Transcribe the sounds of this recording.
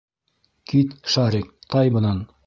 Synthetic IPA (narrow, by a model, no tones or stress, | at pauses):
kit̪ʃɑɾik̚t̪ɑjbɤ̆nɑn